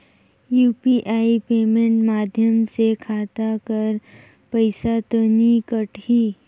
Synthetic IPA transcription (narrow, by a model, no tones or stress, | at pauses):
juːpiʔaːipeːmẽɳʈmaːd̪ʱjəmsekʰaːt̪akəɾ | pəɪsat̪ənikəʈiː